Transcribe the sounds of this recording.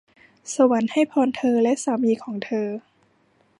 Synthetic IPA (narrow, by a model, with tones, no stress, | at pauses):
sa˧wa˩˦nha˥˩jpʰɔː˧nt̪ʰɤː˧lɛ˦˥ʔsaː˩˦miː˧kʰɔː˩˦ŋt̪ʰɤː˧